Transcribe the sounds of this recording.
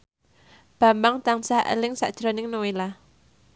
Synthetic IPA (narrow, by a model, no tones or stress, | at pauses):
b̥a̤mbaŋt̪aŋsaʔə̰lɪŋsa̰ʔd̥ʒ̥ɾɔ̤nɪŋnowela